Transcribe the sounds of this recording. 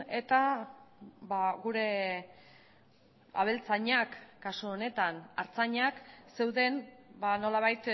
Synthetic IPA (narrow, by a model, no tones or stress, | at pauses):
e̞t̪a | βaɣuɾe̞ | a̰β̞e̞lt͡saɲakːasuone̞t̪anaɾt͡saɲakse̞wðe̞nbano̞laβajt̪